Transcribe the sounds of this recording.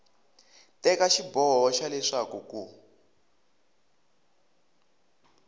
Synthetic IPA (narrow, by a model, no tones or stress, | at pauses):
tɛkaʃibɔɦɔʃalɛʂakuku